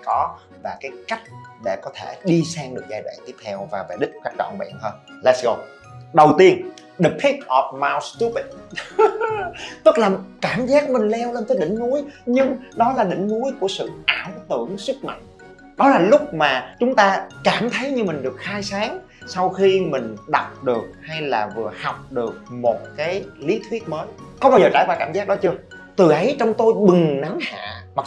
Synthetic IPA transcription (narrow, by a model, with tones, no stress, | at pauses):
kɔ˨˦ | vaː˨˩kaː˨˦jka˦˥jk̟̚ɗḛ˧˩kɔ˨˦t̪ʰe˧˩ɗi˧saː˧ŋɗɨ˨˩ək̚zaː˧jvɛ̰ː˧˨t̪i˦˥əp̚t̪ʰɛ˧wvaː˨˩va̰ː˨˩jɗï̟˦˥kaː˦˥k̚ɗɔ̰˧˨ŋ͡mɓɛ̰ː˧˩nhəː˧n | laː˨˦˥sɣo˧˩ | ɗə˨˩wt̪i˧ən | ɗi˨˩p̚ʰi˦˥t̚ʔɔ˨˩p̚maː˧wst̪u˦pi˨˩t̚ | t̪ɨ˦˥k̚laː˨˩kaː˧˩mzaː˦˥k̚mï˨˩ŋ̟lɛ˧wle˧nt̪əː˨˦jɗï˧˩˦ŋ̟nu˨˦əjɲɨ˧ŋɗɔ˨˦laː˨˩ɗï˧˩ŋ̟nu˨˦əjku˧˩əsɨ̰˧˨ʔaː˧˩wt̪ɨ̰˧˩əŋsɨ˦˥k̚ma̰˨˧˩jŋ̟ | ɗɔ˨˦laː˨˩lʊ˦˥k͡p̚maː˨˩t͡ɕʊ˨˦ŋ͡mt̪aː˧kaː˧˩mt̪ʰə˨˦jɲɨ˧mï˨˩ŋ̟ɗɨ˨˩ək̚xaː˧jsaː˨˦ŋ | sa˧wxi˧mï˨˩ŋ̟ɗa˨˩wk͡p̚ɗɨ˨˩ək̚ha˧jlaː˨˩vɨ˨˩əha˨˩wk͡p̚ɗɨ˨˩ək̚mo˨˩t̚kaː˨˦jli˨˦t̪ʰwi˦˥ət̚məː˨˦jkɔ˨˧˦wɓaː˧wzəː˨˩t͡ɕa̰ː˧˩jɓaː˧˩kaː˧˩mzaː˦˥k̚ɗɔ˨˦t͡ɕɨ˧ə | t̪ɨ˨˩ʔə˨˦jt͡ɕɔ˧wŋ͡mt̪o˧jɓɨ˨˩ŋna˨˦ŋha̰ː˧˨ma˨˩k̚